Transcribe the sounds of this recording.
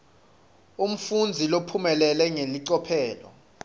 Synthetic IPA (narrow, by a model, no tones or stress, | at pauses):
um̩fund͡zʱilopʰumɛlɛlɛŋeliǀɔpʰɛːlɔ̰